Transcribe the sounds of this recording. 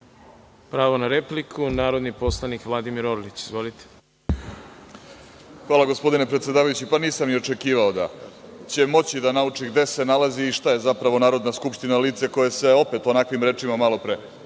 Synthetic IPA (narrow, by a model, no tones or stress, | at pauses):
pɾaːʋonaɾe̞plikʰunaːɾo̞d̪nipo̞slˠanikʋlˠad̪imiɾoɾlit͡ɕizʋo̞lit̪e̥ | xʋaːlˠaɡo̞spo̞d̪ine̞pɾet̪sje̞d̪aːʋajut͡ɕipaniːsamnio̞t͡ʃe̞kiːʋao̞d̪a̰t͡ɕe̞mo̞t͡ɕid̪anaut͡ʂiɡd̪e̞se̞nalaziːʃt̪aje̞zapɾaʋo̞naːɾo̞d̪naskupʃt̪inaliːt̪seko̞je̞se̞o̞pe̞t̪o̞nakʋimɾe̞ːt͡ʂimamalo̞pɾe